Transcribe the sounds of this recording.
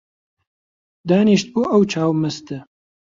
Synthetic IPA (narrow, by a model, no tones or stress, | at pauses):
d̪aːniːʃt̪̚buːʔɐwt͡ʃʰaːwməst̪ɨ